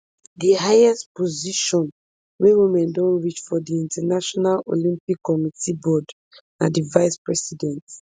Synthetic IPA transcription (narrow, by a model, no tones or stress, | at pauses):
dihajɛstpɔziʃɔ̃n | wewimɛ̃ndɔ̃nɹit͡ʃfɔdiĩntɛnaʃɔnalo̰lĩmpikːɔmitibɔd | nadivajspɹɛsidɛ̃nt